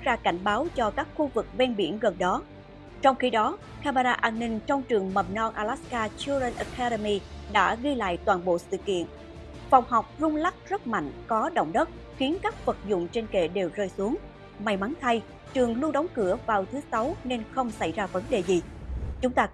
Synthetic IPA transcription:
zaː˧ka˧˩jŋ̟ɓaː˨˦wt͡ɕɔ˧kaː˦˥k̚xu˧vɨ˨˩k̚vɛ˧nɓḭ˧˩ənɣə˨˩nɗɔ˨˦ | t͡ɕɔ˧wŋ͡mxi˧ɗɔ˨˦ | kaː˧ma˧ɗaː˧ʔaː˧nːï˧ŋ̟t͡ɕɔ˧wŋ͡mt͡ɕɨ˨˩əŋmə˨˩m̚nɔ˧nʔaː˧laː˦˥skaː˧t͡ɕu˧zə˧nʔə˨˧kʰaː˧ɗə˧mi˧ɗa̰ː˧˥ɣi˧jla̰ː˧˨jt̪waː˨˩nɓo̰˧˨sɨ̰˧˨kḭ˧˨ən | fa˨˩wŋ͡mɦa˨˩wk͡p̚zʊ˧ŋ͡mla˦˥k̚zə˦˥t̚ma̰˧˨jŋ̟kɔ˨˦ɗo̰˧˨wŋ͡mɗə˦˥t̚ | xi˨˦ənkaː˦˥k̚fə˨˩t̚zʊ̰˧˨ŋ͡mt͡ɕe˧nkḛ˧˩ɗe˨˩wzəː˧jsu˨˦əŋ | ma˨˧˩jma˨˦ŋt̪ʰa˧j | t͡ɕɨ˨˩əŋlu˧ənɗɔ˨˦wŋ͡mkɨ˧˩əvaː˨˩wt̪ʰɨ˨˦sa˨˦wne˧nxə˧wŋ͡msa˧˩jzaː˧və˨˦nɗe˨˩zi˨˩t͡ɕʊ˨˦ŋ͡mt̪aː˧

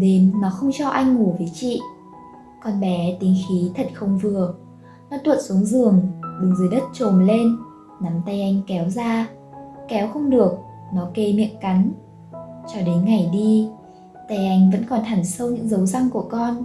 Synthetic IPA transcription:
ɗe˨˦nːaːɔ˨˦xə˧wŋ͡mt͡ɕɔ˧ʔa˧jŋ̟ŋu˧˩vəː˨˦jt͡ɕḭ˧˨ | kɔ˧nɓɛ˨˦t̪ï˨˦ŋxi˨˦t̪ʰə˨˩t̚xə˧wŋ͡mvɨ˨˩ə | nɔ˨˦t̪wə˨˩t̚su˨˦əŋzɨ˨˩əŋɗɨ˨˦ŋzɨ˨˦jɗə˦˥t̚t͡ɕo˨˩mle˧n | na˨˦mt̪a˧jʔa˧jŋ̟kɛ˨˦wzaː˧ | kɛ˨˦wxə˧wŋ͡mɗɨ˨˩ək̚ | nɔ˨˦ke˧mḭ˧˨ənka˨˦ŋ̟ | t͡ɕɔ˧ɗe˨˦nŋa˨˩jɗi˧ | t̪a˧jʔa˧jŋ̟və̰˧˥nkɔ˨˩nt̪ʰa˧˩ŋsə˧wɲɨ̰˧˥ŋzə˨˦wza˧ŋku˧˩əkɔ˧n

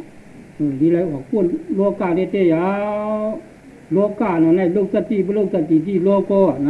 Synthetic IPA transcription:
o˧˨li˧˦la˧jʔɔ˨pu˧˨nlo˧˦kaː˧˨ne˧˨t̪e˧˨ja˧˦ | lo˧˦kaː˧˨nɔ˧˨na˧˨lo˧˨k̚sa˧˨t̪i˧˨bo˧˦lo˧˨k̚sa˧˨t̪i˨ti˧˨lo˧˦kɔ˧˨na˧

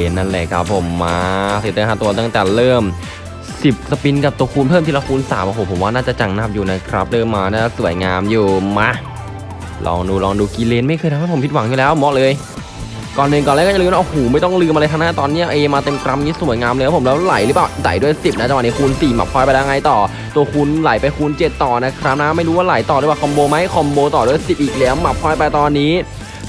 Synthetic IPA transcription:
nːa˥˩nleː˧˩kʰɾa̰˦˥pʰːo˨˩˦mːaː˧si˨˩˦t̪ːɦaː˧˩t̪u˧ɐt̪a˥˩ŋt̪ɛː˨˩lɤː˥˩m | si˨˩p̚sa˧pi˧nka˨˩p̚t̪u˧əkʰuː˧npʰɤː˥˩mt̪e˧la˧kʰuː˧nsaː˩˦mʔo˧˩hoː˨˩pʰo˩˦waː˥˩naː˥˩t͡ɕa˨˩t͡ɕa˧ŋna˥˩p̚juː˨˩na˦˥kʰɾa˦˥p̚ɾɤː˥˩mːaː˧naː˥˩a˨˩su˨˩˦əjŋaː˧mjuː˧˩maː˧˥ | lʔɔ̰ː˧ŋduː˧lɔː˧ŋduː˧ki˧leː˧nma˥˩jkʰɤ˧j̪ʰmʰ˦˥˩pʰo˩˦mpʰi˥t̪̚wa˨˦ŋjuː˨lɛː˦˥wmɔ˦˥ʔlɤː˧j | kɔː˨˩nːɯː˧ŋkɔː˨laː˧˥˩kːɔ˥˩a˨ɯː˧m˥ʔo˧˩hoː˨˩˦ma˥˩jt̪ɔ˥˩ŋlɯː˧mʔa˧jt̪ʰa˧naː˥˩t̪ɔː˧nːi˦˥ɐʔeː˧maː˧t̪e˧mkɾa˧˥mŋiː˦˥su˨˩˦jŋaː˧mlːʰpo˩˦lɛː˦˥wla̰˨˩˦jlɯː˦˥paː˨˩wsa̰˨˩˦jdu˥˩əjsi˨˩p̚na˦˥t͡ɕa˨˧wa˧˨ni˦˥˩kʰu˧nsiː˨˩ma̰˨˩pʰːɔː˧˩jpa˧lːɛ˥˧ŋa˧jt̪ɔː˨˩ | t̪u˧ɐəkʰu˧nla˨˩˦jpa˧jkʰu˧nt͡ɕe˨˩t̪ːɔː˨˩na˦˥kʰɾa˦˥p̚na˦˥ma˥˩jɾuː˦˥waː˥˩la˨˦jt̪ɔː˨˩ɾwaː˨˩kʰɔ˧mboː˧ma˦˥jkʰɔ˧mboː˧t̪ɔː˨˩du˥˩əjsi˨˩p̚ʔiː˨˩k̚lɛː˦˥wma˨˩p̚ʰːɔː˧˩jpa˧jt̪ɔː˧nːiː˦˥

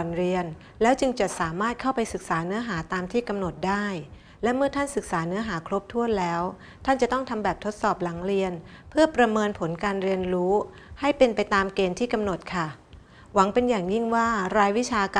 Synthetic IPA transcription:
nɾi˧ən | lɛː˦˥wt͡ɕɯ˧ŋt͡ɕa˨˩saː˩˦maː˥˩t̪̚kʰa˥˩wpa˧jsɯ˨˩k̚saː˩˦nɯ˦˥ɐɦaː˩˦t̪aː˧mt̪ʰiː˥˩ka˧mno˨˩t̪̚daː˥˩j | lɛ˦˥mɯ˥˩ɐt̪ʰa˥˩nsɯ˨˩k̚saː˩˦nɯ˦˥ɐɦaː˩˦kʰɾo˦˥p̚t̪ʰu˥˩ənlɛː˦˥w | t̪ʰa˥˩nt͡ɕa˨˩t̪ɔ˥˩ŋt̪ʰa˧mbɛː˨˩p̚t̪ʰo˦˥t̪̚sɔː˨˩p̚la˩˦ŋɾi˧ənpʰɯ˥˩ɐpɾa˧mɤː˧npʰo˩˦nkaː˧nɾi˧ənɾuː˦˥ | ha˥˩jpe˧npa˧jt̪aː˧mkeː˧nt̪ʰiː˥˩ka˧mno˨˩t̪̚kʰa˥˩ | wa˩˦ŋpe˧njaː˨˩ŋji˥˩ŋwaː˥˩ɾaː˧jwi˦˥t͡ɕʰaː˧kː

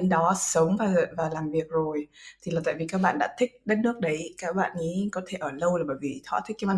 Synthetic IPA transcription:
e˨˦nɗɔ˨˦sə˨˦wŋ͡mvaː˨˩˨vaː˨˩laː˨˩mvi˨˩ək̚zo˨˩jt̪ʰi˨˩laː˨˩t̪a̰ː˧˨jvi˨˩kaː˦˥k̚ɓa̰ː˧˨nɗa̰ː˧˥t̪ʰï˦˥k̚ɗe˨˦nːɨ˦˥ək̚ɗə˨˦jkaː˦˥k̚ɓa̰ː˧˨nŋi˨˧˦kɔ˨˦t̪ʰe˧˩ʔəː˧˩lə˧wlaː˨˩ɓəː˧˩jvi˨˩t̪ʰwa̰ː˧˥t̪ʰi˦˥k̚kːa˧˦ma˧˩

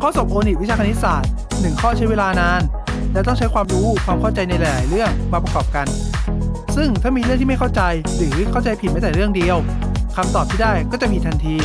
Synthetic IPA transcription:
kʰɔː˥˩so˨˩p̚ʔoː˧ni˨˩wi˦˥t͡ɕʰaː˧a˧ni˦˥t̪̚saː˨˩t̪̚ | nɯ˨˩ŋkʰɔː˥˩t͡ɕʰa˦˥jweː˧laː˧naː˧n | lɛː˦˥wt̪ɔ˥˩ŋt͡ɕʰa˦˥jkwaː˧mɾuː˦˥kʰwaː˧mkʰa˥˩wt͡ɕa˧jna˧jɾa˧jla̰ː˩˦jɾɯ˥˩əŋmaː˧pɾa˧kɔː˨˩p̚ka˧n | sɯ˥˩ŋt̪ʰa˥˩miː˧ɾɯ˥˩ŋt̪iː˥˩a˥˩jkʰt͡ɕa˧j | ɾɯː˩˦kʰa˥˩wt͡ɕa˧jpʰi˨˩t̪̚ma˧˥˩t̪ɛː˨˩ɾɯ˥˩əŋdi˧əw | kʰa˧mt̪ɔː˨˩p̚t̪ʰiː˥˩daː˥˩jkɔː˥˩t͡ɕa˨˩pʰi˨˩t̪ʰa˧nt̪ʰiː˧

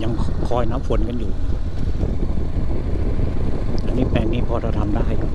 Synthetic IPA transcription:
ja˧ŋkʰɔː˧˩jnaː˦˥mfo˧nka˧njuː˨˩˦ | ʔa˧nːiː˦˥˩pɛː˧ŋniː˦˥˩pʰɔː˧ɾʰa˧t̪ʰa˧mdaː˥˩jɦa˥˩jka˨˩

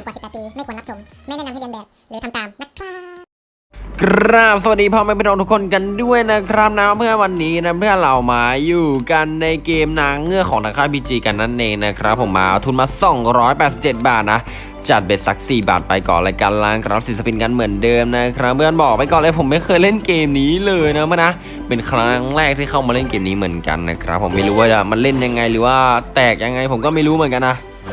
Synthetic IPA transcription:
a˨˩si˨˩a˨˩iː˧aː˥˩kaː˨naː˦˥˧ | ma˥˩ja˥˨aː˦a˥˩a˧bɛː˨˩p̚la˨˦ka˨mt̪aː˨˩mna˧˥kʰa˥˩ | kʰɾa˦˥p̚sa˨wa˨˩diː˧pʰɔː˧ma˧˥˧pe˧nɔ˧ŋt̪ʰu˥kʰo˧nka˧ndu˥˩əjna˦˥kʰɾa˦˥p̚naː˦˥mːɯ˥˩əwa˧nːiː˦˥na˦˥pʰɯ˥˩əla˨˩wmaː˨˦juː˨˩ka˧nːa˧jkeː˧mnaː˦˥ŋːɯ˥˩əkʰɔː˨˩˦ŋʰaː˧ŋkʰaː˥˩biː˧˩t͡ɕiː˧ka˧nːa˦˥˩nʔeː˧ŋna˦˥kʰɾa˦˥pʰːo˩˦mːa̰ː˧˩t̪ʰuː˧nmaː˧sɔ˨˩˦ŋɾɔː˦˥jpɛː˨˩si˨˩p̚t͡ɕe˨˩t̪̚baː˨˩t̪̚na˦˥ | t͡ɕa˨˩t̪̚be˨˩t̪̚sa˦˥k̚siː˨˩ba̰ː˨˩t̪̚pa˧jkɔ̰ː˨˩laː˧jka˧nlaː˧˩ŋkʰɾa˧˦˩psi˨˩sa˧pi˧nka˧nmɯ˩˦əndɤː˧mna˦˥kʰɾa˦˥pmɯ˥˧kaː˧bɔː˨˩k̚pa˧jkɔː˨˩nʔaː˧˩pʰo˩˦mːa˥˩jkʰɤː˧jle˥˩nkeː˧mniː˦˥lɤː˧jna˦˥ma˥˩na˦˥ | pe˧nkʰɾa˦˥ŋɾɛː˥˩k̚t̪ʰiː˥˩kʰa˥˩wmaː˧le˥˩nkeː˧mniː˦˥mɯ˩˦ənka̰˧nːa̰˦˥kʰɾa˦˥pʰːo˩˦mːa˥˩jɾuː˦˥waː˥˩t͡ɕa˨˩ma˧nle˥˩nja˧ŋːa˧jɾɯː˩˦waː˥˩t̪ɛː˨˩k̚ja˧ŋːa˧jpʰo˩˦mkɔː˥˩ma˥˩jɾuː˦˥mɯ˨˩˦ə˦nka˧nːa˦˥ʔ

